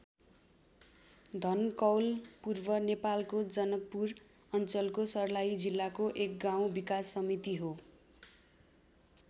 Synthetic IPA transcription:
d̪ʱʌnkʌwlpurbʌnepalkod͡zʌnʌk̚pur | ʌnt͡sʌlkosʌrlajid͡zilːakoʔek̚ɡaw̃bikasːʌmit̪iɦo

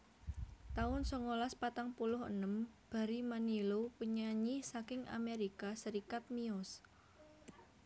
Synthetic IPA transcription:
t̪aʊnsɔŋolaspat̪aŋpulʊɦə̰nəmb̥a̤ɾimanilopuɲaɲisakɪŋʔa̰meɾikasəɾikat̪̚miɔs

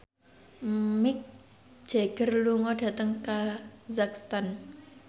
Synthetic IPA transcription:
mɪk̚ | d̥ʒ̥e̤ɡ̥ə̤rluŋɔɖ̥ä̤t̪əŋkazakst̪an

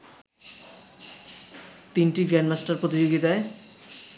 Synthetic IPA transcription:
t̪inʈiɡɾɛɳɖmasʈaɾpɾot̪id͡ʑoɡid̪ae

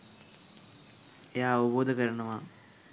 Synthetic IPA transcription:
jaːɐʋɐboːd̪ɐɣɐɾɐɳɐmaː

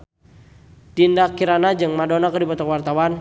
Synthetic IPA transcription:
d̥indakiɾanad͡ʒɨŋmadonakərdibɔt̪ɔkwart̪awan

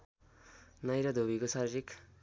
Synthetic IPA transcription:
nʌjɾʌd̪ʱobikosʌɾɾik

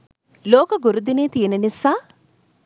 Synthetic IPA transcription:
loːkɐɡuɾud̪ineːt̪ijɐnɐnisa

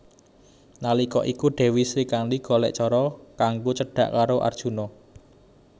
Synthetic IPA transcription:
nalikɔʔikuɖ̥e̤wisɾikanliɡ̥ɔ̤lɛ̰ʔt͡ʃɔɾɔkaŋɡot͡ʃəɖ̥ä̤ʔkaɾoʔa̰rd̥ʒ̥ṳnɔ

